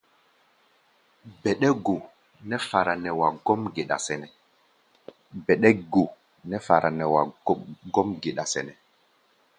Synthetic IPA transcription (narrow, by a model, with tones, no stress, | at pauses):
bɛ˨ɗɛ˦ɡo˨ | nɛ˦fa˨ɾa˨nɛ˨wa˨ɡo˦mɡe˨ɗa̰˨sɛ˨nɛ˨ | bɛ˨ɗɛ˦ɡo˨ | nɛ˦fa˨ɾʔa˨nɛ˨wa̰˨˦ɡɔ˦mɡe˨ɗa˨sɛ̰˨nɛ˨